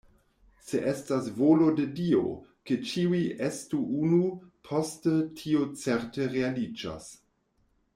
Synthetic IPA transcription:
seʔestasvolo̞dedio̞̰ket͡ʃiuiʔestuunupʰo̞stətʰiot͡seɾteɾealid͡ʒa̰s

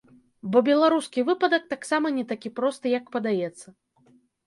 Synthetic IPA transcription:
bɔbʲɛlˠaɾuskʲivɨpɐd̪ɐk̚t̪aksamɐnʲɛt̪akʲipɾɔst̪ɨjɐkpɐd̪ajɛt̪sːɐ

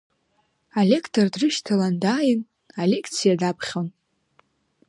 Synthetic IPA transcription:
alʲe̞kʰtʰordrɨʃtʰalandaːjɪn | ale̞kʰt͡sʰijadapʰχʲon

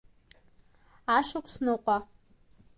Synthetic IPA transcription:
aʃakʷʰʼsnɨqʷʼa

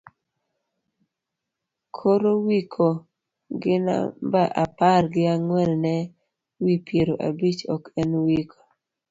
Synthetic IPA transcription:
kʰoɾowikʰo | ɡɪna̰baʔaparɡɪaŋwɛlnɛ | wipjeɾoʔa̰bit͡ʃɔ̰kɛnwikʰo̥

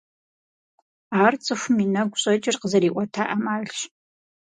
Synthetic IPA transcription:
aːrt͡sʼɨxʷʊminɐɡʷɕʼɐt͡ʃʼɪrqəzɐɾiːʔʷɔtʰaːʔɐmaːɮɕ

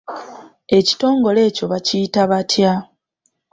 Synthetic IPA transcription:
e̞ci̥to̞ːŋɡo̞le̞ːco̞βacijitaβatʰja

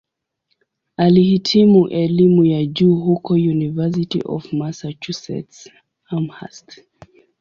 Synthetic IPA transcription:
alihitʰimuʔɛlimujad͡ʒuːɦukɔjunivɛs̬itḭʔɔ̰vmasat͡ʃusɛ̰ts | amha̰st

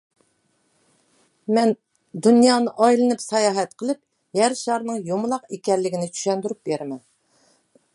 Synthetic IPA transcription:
mɛn | d̪unjɑːnɨʔɑjlˠɨnɨpsɑjɑːɦɛt̪qʰəlˠɨp̚ | jæɾʃɑɾnɨŋjomlˠɑqekʲɛlːɪɡʲinɪt͡ʃʰy̥ʃɛnd̪yɾyp̚beɾmɛn

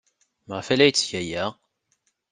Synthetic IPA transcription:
məʁfælæjt͡sːçæjæʁ

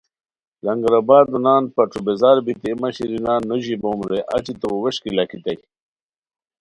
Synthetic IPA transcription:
lɐŋɡɾabaːd̪unaːnpɐʈ͡ʂubezaːɾbit̪iːmɐɕiɾinaːnːoʑiboːmɾeʔa̰t͡ɕit̪oweɕkilakʰit̪ɐj

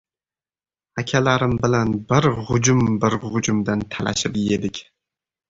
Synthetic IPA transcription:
akʲʰalaɾɪmbɪlanbɪɾhʊd͡ʒʊmbɪɾʁʊd͡ʒʊmd̪ant̪ʰalʔa̰ʃɪpjed̪ɪkʲ

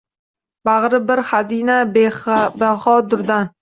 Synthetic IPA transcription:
bɑʁɾɪbɪɾhazina | behɒd̪ʊɾd̪an

